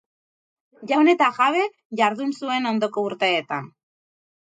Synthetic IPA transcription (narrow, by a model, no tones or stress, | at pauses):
ʝane̞t̪aɣaβe̞ | ʝaɾðunsue̞no̞nd̪o̞ko̞uɾt̪e̞ːt̪an